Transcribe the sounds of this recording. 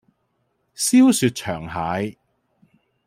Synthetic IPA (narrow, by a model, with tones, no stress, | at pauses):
siː˥wsyː˧t̚t͡ʃʰœː˨˩ŋhaː˨˧˥j